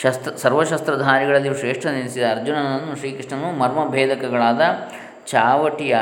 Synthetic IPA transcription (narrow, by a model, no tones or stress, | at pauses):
ʃɐst̪ɐsɐɾʋɐʃɐst̪ɾɐd̪ʱaːɾiɡɐɭɐlːiʂɾeːʂʈʰɐninsid̪ɐːɾd͡ʒunɐnɐnːuʂɾiːkiʂʈɐnːumɐɾmɐbʱɛːd̪ɐkɐɡɐɭaːd̪ɐ | t͡ʃaːʋɐʈijɐ